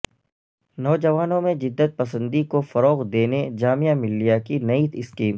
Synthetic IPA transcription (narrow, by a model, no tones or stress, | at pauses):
nɔːd͡ʒɐʋaːnõmẽd͡ʒɪd̪ːət̪̚pɐsə̃nd̪ikofɐɾɔːɣd̪eːned͡ʒaːmijamɪlːijakinɐit̪ɪskiːm